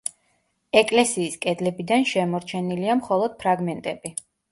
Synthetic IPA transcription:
ɛkʼlɛsiːskʼɛd̪lɛbid̪anʃɛmɔɾt͡ʃʰɛniliamχɔlˠɔd̪̥̚pʰɾaɡmɛnt̪ʼɛbi

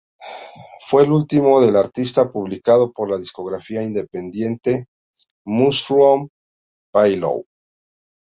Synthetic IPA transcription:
fwe̞lult̪imo̞ðe̞laɾt̪ist̪apuβlikað̞o̞po̞ɾlaðisko̞ɣɾafiaind̪e̞pe̞nd̪je̞nt̪e̞ | musɾuom | pajlo̰w

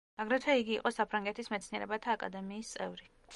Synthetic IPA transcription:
maɡɾɛt̪ʰwɛiɡiːqʼɔsapʰɾaŋɡɛt̪ʰismɛt̪sʰniɛɾɛbat̪ʰaːkʼa̰d̪ɛmiːst̪sʼɛ̰vɾi

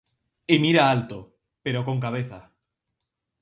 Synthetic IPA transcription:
emiɾaalt̪o | peɾokoŋkaβ̞eθa̰

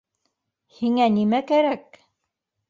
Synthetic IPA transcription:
hiŋænimækæɾæk̚

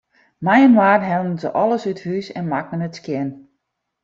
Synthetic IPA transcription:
majənwaːrɦɛlˠənzə̰ʔɔləsythysɛ̰nmakənətskjɪn

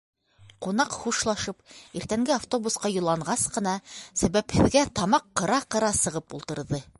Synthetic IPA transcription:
qunɑqχuʃlˠɑʃɤpiɾt̪æŋɡɘaft̪o̞busqɑjŏlˠːɑɴɢɑsqɤ̆nɑsæβæphɘ̆ðɡæt̪ɑmɑqːɤ̆ɾɑqɤ̆ɾɑsɤ̆ʁɤpṵlˠt̪ɤ̆ɾðɤ

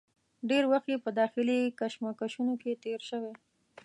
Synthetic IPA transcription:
ɖeɾwaxt̪jepəd̪ɑxɪlikaʃmakaʃunoket̪eɾʃəwe

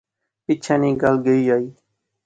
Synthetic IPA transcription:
pɪt͡ʃʰãːnĩːɡaːlɡəiːaːiː

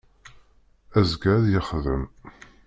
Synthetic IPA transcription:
æzɡæðjəχðə̰m

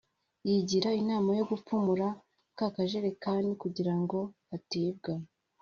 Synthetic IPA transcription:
jiɟiɾainaːmajo̞ɡupumuɾa | kakaʒe̞ɾekaːndikuɟiɾaŋɡo̞ | atiːbɡa

